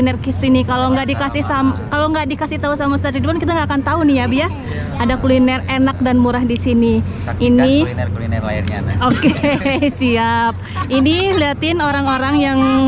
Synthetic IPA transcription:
inɛrkisinikaloŋɡaʔdikasɪhsamkalaŋɡaʔdikasɪht̪ausamast̪aidbankit̪aŋɡaːkant̪aunɪjabija | adakulinɛrenak̚danmuɾahdisiniː | ni | okesiap̚iniliɦat̪ɪnoɾaŋoɾaŋjaŋ

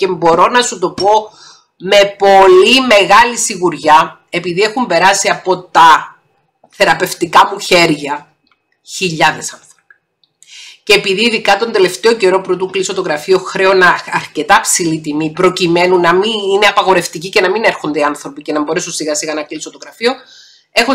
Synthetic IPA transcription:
ce̞mbo̞ɾo̞nɐsut̪o̞po̞ | me̞po̞lime̞ɣɐlisiɣuɾʝɐ | e̞piðie̞xumbe̞ɾɐsiɐpo̞t̪ɐ | θe̞ɾɐpe̞ft̪ikɐmuçe̞ɾʝɐ | çiʎːɐðe̞sɐnθɾopi̥ | ceːpiðiːðikɐt̪o̞nd̪ele̞ft̪e̞o̞ce̞ɾo̞puɾot̪uŋklisot̪oɣɾɐfio̞xɾe̞onɐɐɾce̞t̪ɐpsilit̪imipɾo̞cime̞nunːɐminineɐpɐɣo̞ɾe̞ft̪icice̞nɐmine̞ɾxo̞nd̪eiɐnθɾo̞picenɐmbo̞ɾe̞sunsiɣɐsiɣɐnɐklisot̪oɣɾɐfio̞ | e̞xo

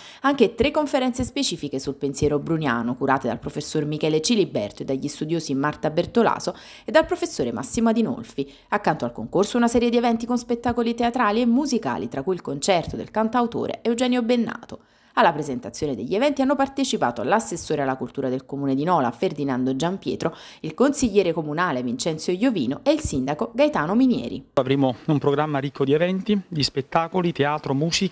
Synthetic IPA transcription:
aŋk̟et̪ɾekːoɱfeɾɛnsespet͡ʃiːfikesulpensjɛːɾobɾunjaːnokuɾaːt̪ed̪a̰lpɾofesːormikɛːlet͡ʃilibɛ̰rt̪oed̪ːaʎːist̪ud̪joːzimːart̪abert̪ola̰ːzo | ed̪ːalpɾofesːoːɾemʔa̰sːimoad̪ino̰lfi | akːant̪oalkoŋkorsounasɛːɾjed̪ievɛnt̪ikonspet̪ːaːkolit̪eat̪ɾaːliemːuzika̰ːlḭt̪ɾakːuilkont͡ʃɛrt̪od̪ḛlkant̪awt̪o̰ːɾḛʔɛud͡ʒɛːnjobenːa̰ːt̪o | alːapɾezent̪at̪sːjoːned̪eʎːievɛnt̪ianːopart̪et͡ʃipa̰ːt̪oa̰lːasːesːoːɾealːakult̪uːɾad̪elkomuːned̪inɔːla̰ferd̪inand̪oed͡ʒampjɛ̰ːt̪ɾo | ilkonsiʎːɛːɾekomunaːlevint͡ʃɛnt̪sjojoviːnoeilsind̪akoɡajt̪aːnominjɛ̰ːɾḭavɾeːmoumpɾoɡɾamːaɾikʰːod̪ievɛnt̪id̪ispet̪ːaːkolit̪eaːt̪ɾomuːsik

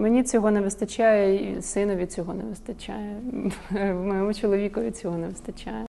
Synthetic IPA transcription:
menʲit͡sʲɔɦɔneʋɪst̪ɐt͡ʃʲajɛḭsɪnɔʋʲit͡sʲɔɦɔneʋɪst̪ɐt͡ʃʲajɛ | wmɔjɔmʊt͡ʃɔlˠɔʋʲikɔʋʲit͡sʲɔɦɔnɛʋɪst̪ɐt͡ʃʲajɛ

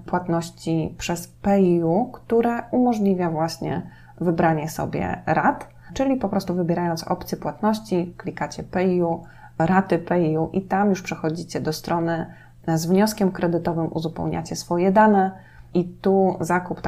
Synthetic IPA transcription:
pwat̪nɔɕt͡ɕipʂɛspɛukt̪uɾɛumɔʐlʲivʲjavwaɕɲɛ̰ | vɘbɾaɲɛsɔ̰bʲjɛ̰ɾat̪ | t͡ʂɘlʲipɔpɾɔst̪uvɘbʲɛɾajɔnt̪sɔ̰pt̪sʲjipwat̪nɔɕt͡ɕiklʲikat͡ɕɛpɛiu | ɾat̪ɘpɛiuʔit̪amjuʂpʂɛxɔd͡ʑit͡ɕɛd̪ɔst̪ɾʔɔnɘ | zvɲɔskʲɛmkɾɛd̪ɘt̪ɔvɘmʔṵzupɛ̰wɲa̰t͡ɕɛsfɔjɛd̪anɛ | it̪uzakupt̪

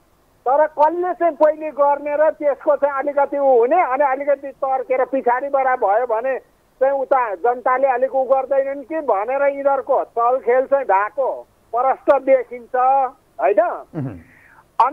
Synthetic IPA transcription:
t̪ʌɾʌkʌlːet͡saĩpʌiliɡʌrneɾʌt̪eskot͡sãĩʌlikʌt̪iũɦuneʌniʌlikʌt̪it̪ʌrkeɾʌpit͡sʰaɾibaɽabʱʌjobʱʌne | t͡sãĩut̪ad͡zʌnt̪aleʌlikouɡʌrd̪ʌjnʌnkibʱʌneɾʌĩɽʌrkot͡sʌlkʰelt͡saĩɖʱako | pʌɾʌsʈʌd̪ekʰint͡sʰʌ | ɦojnʌ | ʌni

